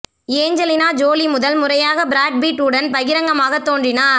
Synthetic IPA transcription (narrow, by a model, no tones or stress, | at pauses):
eːɲd͡ʒɐlɪnaːd͡ʒoːlimʊðɐlmʊɾɐjaːɣɐbɪɾaːʈ̚biːʈːuːɽɐnpɐɣɪɾɐŋɡɐmaːɣɐt̪ːoːndrɪnaːɾ